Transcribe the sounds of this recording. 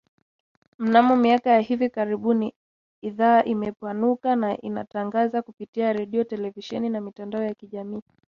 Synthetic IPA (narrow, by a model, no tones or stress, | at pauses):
m̩namɔmiakajaɦivikaɾiɓuniː | ðaːʔimɛpanukanaʔina̰taŋɡazakupitiaɾɛɗiɔtɛlɛviʃɛninamitandaɔjakiʄamiː